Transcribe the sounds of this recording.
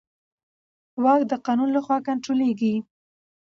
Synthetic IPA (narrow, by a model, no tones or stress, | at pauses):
wɑkd̪əqɑnunlaxwɑkaɳʈɾoleɡi